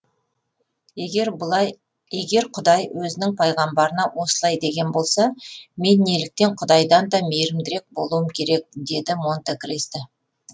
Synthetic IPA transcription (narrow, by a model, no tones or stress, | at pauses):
e̞ɡʲe̞ɾqʰʊd̪ɑjwɵzɪnɪŋpʰɑjʁɑmbɑɾənɑwo̞səlˠɑjd̪e̞ɡʲe̞nbo̞lˠsɑme̞nːe̞lɪk̚t̪e̞ɴqʰʊd̪ɑjd̪ɑnd̪ɑme̞ɾɪmd̪ɪɾe̞k̚bo̞lˠuwəmkʲʰe̞ɾe̞k̚d̪e̞d̪ɪmo̞nt̪ekʲɾest̪ɪ